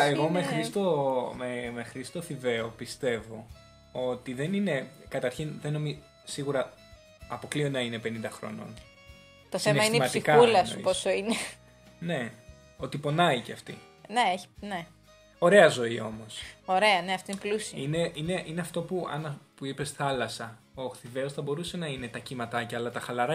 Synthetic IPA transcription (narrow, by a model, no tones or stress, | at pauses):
eɣo̞mexɾist̪omemexɾist̪o̞θive̞o̞pist̪e̞vo̞̰ | o̞t̪iðe̞nine̞kɐt̪ɐɾçinðeno̞mi | siɣuɾɐ | ɐpo̞klionɐine̞pe̞nind̪ɐxɾo̞̰no̞̰n | t̪osθineɐineimɐsd̪ikɐulɐsposoine | ne̞ | ot̪ipo̞nɐiceɐft̪ḭ | neeçi̥ne | o̞ɾe̞ɐzo̞io̞mo̞so̞ɾe̞ɐne̞ɐft̪oinplusiɐine̞ʔine̞ʔineɐft̪o̞puɐ̰npuipe̞sθɐlɐsɐ | oɐxθive̞osθɐbo̞ɾuse̞nɐine̞t̪ɐcimɐt̪ɐcɐɐːlɐt̪ɐxɐlɐɾɐ